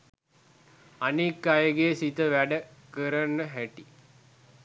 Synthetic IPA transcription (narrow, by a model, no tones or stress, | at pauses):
anikːajəɡesit̪əʋæɖəkəɾənːəɦæʈi